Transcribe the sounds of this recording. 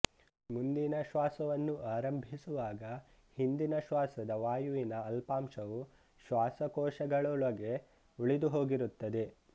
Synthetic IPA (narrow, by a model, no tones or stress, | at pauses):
mund̪inɐʃʋaːsɐʋɐnːuʔaːɾɐmbʱisuʋaːɡɐ | hind̪inɐʃʋaːsɐd̪ɐʋaːjuʋinɐːlpaːmʃɐʋu | ʃʋaːsɐkɔːʃɐɡɐɭɔɭɐɡe̞ | uɭid̪uɦo̞ːɡiɾut̪ːɐd̪e̞